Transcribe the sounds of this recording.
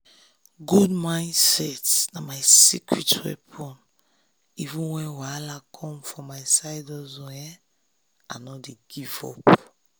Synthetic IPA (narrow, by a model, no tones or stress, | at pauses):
ɡudmãj̃nsɛtnamajsikʰɹitwɛ̰pʰɔ̃n | ivũnwɛ̃nwalakʰɔ̃mfɔ̃majsajdɔzɔ̃jɛ | ãnɔdeɡivɔ̰p